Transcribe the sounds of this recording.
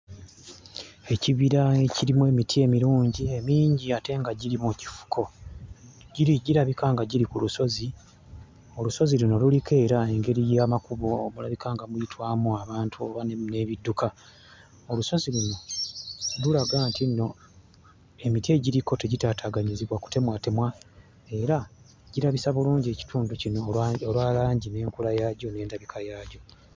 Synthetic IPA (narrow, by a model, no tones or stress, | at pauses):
e̞ciβiɾae̞ciɾimwe̞ːmitʰie̞miɾuːɲɟie̞miːɲɟiate̞ŋɡaɟiɾimuci̥fu̥kʰo̞ | ɟiɾiɟiɾaβikaːŋɡaɟiɾikuluso̞zi | oluso̞ziluno̞lulike̞ːɾae̞ŋɡe̞ɾijamakuβo̞ːmulaβikʰaːŋɡamujitʰwaːmuaβaːntʰuo̞βanne̞βidːuka | oluso̞ziluno̞ | lulaɡaːntinːo̞ | e̞mitie̞ːɟiɾiko̞te̞ɟitaːtʰaːɡaɲiziβwaku̥te̞mwate̞mwa | e̞ɾa | ɟiɾaβisaβuluːɲɟe̞ːci̥tʰuːnducino̞olwaːlaːɲɟine̞ːŋkulajaɟo̞ne̞ːndaβikʰajaːɟo̞